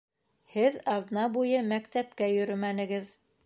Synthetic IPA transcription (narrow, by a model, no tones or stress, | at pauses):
hɘðɑðnɑbujɤmækt̪æp̚kæjɵ̆ɾɵmænɘ̆ɡɘð